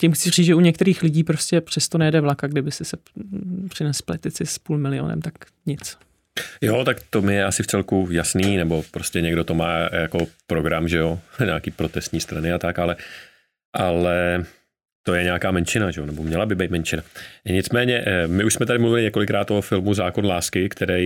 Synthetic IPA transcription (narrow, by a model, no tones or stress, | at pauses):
cɪmxt͡sɪriːt͡sʒɛuɲɛk̚t̪ɛɾiːxlɪɟiːpɾoscɛpr̝̥ɛst̪onɛjɛdɛvlakaɡdɪbɪsɪsɛpr̝̥ɪnɛsplɛt̪ɪt͡sɪspuːlmɪlɪo̰nɛ̰mt̪ak | ɲɪt͡s | jot̪akt̪o̞mɪjɛʔasɪft͡sɛlkujasniːnɛbo̞pɾo̞scɛɲɛɡdo̞t̪omaːjako̞pɾo̞ɡɾamʒɛo̞ɲaːkiːpɾo̞t̪ɛst̪ɲiːst̪ɾanɪat̪akʔalɛ | ʔalɛ | t̪o̞jɛɲɛakaːmɛnt͡ʃɪnaʒɛonɛbo̞mɲɛlabɪd̪̚bejt̪mɛnt͡ʃɪnaɲɪt͡smɛːɲɛʔmɪuʃsmɛt̪adɪmluvɪlɪɲɛko̞lɪkɾaːt̪o̞fɪlmuzaːko̞nlaːskɪkt̪ʰɛɾɛj